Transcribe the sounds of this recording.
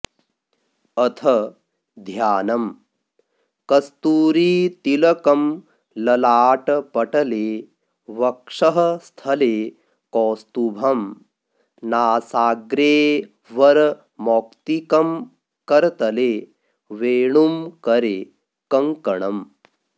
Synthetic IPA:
ɐt̪ʰɐ | d̪ʱjaːnɐm | kɐst̪uːɾiːt̪ilɐkɐm | lɐlaːʈpɐʈɐleː | ʋɐkʂɐɦɐ̆st̪ʰɐleː | kɔːst̪ubʱɐm | naːsaːɡɾeː | ʋɐɾ | mɔːkt̪ikɐm | kɐɾt̪ɐleː | ʋeːɳumkɐɾeː | kɐŋkɐɳɐm

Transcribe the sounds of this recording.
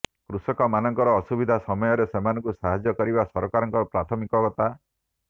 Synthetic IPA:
kɾusɔkɔmanɔŋkɔɾɔːsubid̪ʱasɔmɔjɔɾesemanɔ̃ŋkusaɦad͡ʒjɔkɔɾibasɔɾɔkaɾɔŋkɔpɾat̪ʰɔmikɔɡɔt̪a

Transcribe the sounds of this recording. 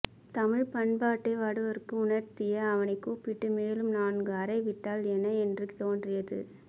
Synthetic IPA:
t̪ɐmɪɻpɐɳbaːʈːɐɪʋaːɽɯʋɐɾɯkːɯʊnɐɾt̪ɪjɐːʋɐnɐɪkːuːpɪʈːɯmeːlɯmnaːnɡɯɐɾɐɪʋɪʈːaːlɛnːɐɛndrɯkːt̪oːndrɪjɐðɯ̰

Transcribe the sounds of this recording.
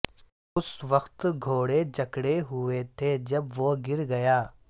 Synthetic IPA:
ʊsʋəxt̪ɡʱoːɽed͡ʒɐkɽeɦʊet̪ʰed͡ʒɐbʋoɡɪɾɡɐjaː

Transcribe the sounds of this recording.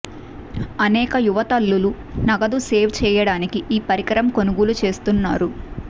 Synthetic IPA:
ɐnɛːkɐjuʋɐt̪ɐlːulu | nɐɡɐd̪useːʋt͡ʃɛːjɐɽaːnikiʔiːpɐɾikɐɾɐmkonuɡulut͡ʃe̞ːst̪unːa̰ːɾu

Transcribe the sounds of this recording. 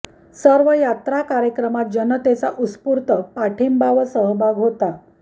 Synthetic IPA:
səɾʋəjat̪ɾakaɾjəkɾəmat̪̚d͡ʑənət̪et͡saʔuspuɾt̪əpaʈʰimbaʋəsəɦbʱaɡɦot̪a

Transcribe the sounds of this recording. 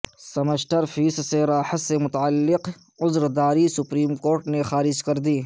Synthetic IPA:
sɐməʃʈəɾfiːsseɾaːħət̪semʊt̪aəlːɪq | ʊzɾd̪aːɾisʊpɾiːmkoːɾʈnexaːɾɪd͡ʒkɐɾd̪iː

